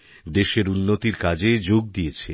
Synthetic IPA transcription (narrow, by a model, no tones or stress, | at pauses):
d̪eʃeɾunːot̪iɾkad͡ʑed͡ʑoɡ̚d̪iet͡ɕʰe